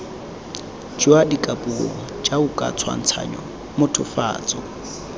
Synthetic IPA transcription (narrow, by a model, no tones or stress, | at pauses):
d͡ʒɔadikʼapʼuɔ | d͡ʒaʊkʼa̰t͡sʰwa̰n̩t͡sʰa̰ɲɔ | mʊtʰʊfa̰ːt͡sʼɔ